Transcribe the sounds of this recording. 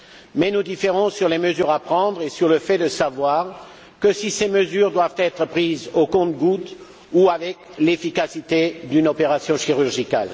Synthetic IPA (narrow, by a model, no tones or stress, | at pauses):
mɛnud̪ifeʁɔ̃syʁleməzyʁapχɑ̃d̪ʁesyʁləfɛd̪əsavwaːʁ | kəsiseməzyʁd̪wavt̪ɛt̪χəpχizokɔ̃t̪ɡut̪ | uavɛklefikasit̪ed̪ynɔpeʁasjɔ̃ʃiʁyʁʒika̰l